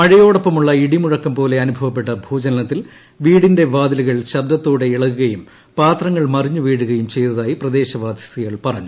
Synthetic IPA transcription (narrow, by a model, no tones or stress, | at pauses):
mɐɻijo̞ːɽɐpːɐmuɭːɐiɽimuɻɐkːɐmpo̞ːle̞ɐnubʱɐʋɐpːe̞ʈːɐbʱuːd͡ʑɐnɐnɐt̪ːil | ʋiːɽinde̞ʋaːd̪iliɣɐɭɕɐd̪ɐt̪ːoːɽe̞iɭɐkːuɣɐjum | paːt̪rɐŋːɐɭmɐriɲːuʋiːɽuɣɐjumt͡ɕe̞jt̪ɐðaːjiprɐd̪e̞ːɕɐʋaːd̪jɐsiɣɐɭpɐrɐɲːu